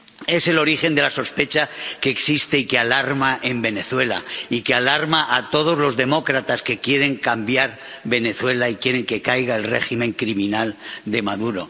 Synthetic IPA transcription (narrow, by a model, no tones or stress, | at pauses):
e̞se̞lo̞ɾixe̞nd̪elaso̞spe̞t͡ʃake̞ːksist̪e̞ikealaɾmaʔembe̞ne̞θwe̞la̰ikealaɾmaʔat̪o̞ð̞o̞zlo̞zðe̞mo̞kɾat̪aske̞kje̞ɾe̞ŋkambjaɾ | βe̞ne̞θwe̞laikje̞ɾe̞ŋke̞kajɣae̞lre̞ximẽ̞ŋkɾimĩnald̪e̞maðuɾo̞̰